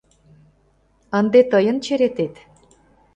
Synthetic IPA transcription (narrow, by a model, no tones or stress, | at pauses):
ənd̪et̪əjə̆nt͡ɕeɾet̪et̪